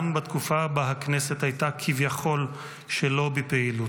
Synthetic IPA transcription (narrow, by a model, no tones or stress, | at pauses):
mbat̪kufabaɦaknese̞t̪hajtakʰivjaχo̞l | ʃelo̞bepeilu